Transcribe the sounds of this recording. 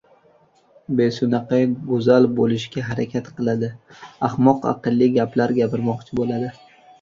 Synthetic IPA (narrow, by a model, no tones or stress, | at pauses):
besʊnɑqɑjɡʊzalbolɪʃɡʲaɦaɾakʲʰat̪qʰɨlˠad̪ɪahmɒqɑ̰qɨlˠːiɡʲaplaɾɡʲapʰɪɾmɒqt͡ʃʰɪbolad̪ɪ